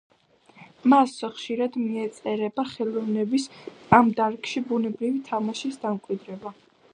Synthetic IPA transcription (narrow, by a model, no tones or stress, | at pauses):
masχʃiɾad̪miɛt̪sʼɛɾɛbaχɛlˠɔvnɛbisʼamd̪aɾkʼʃibunɛbɾivit̪ʰamaʃisd̪amkʼwid̪ɾɛba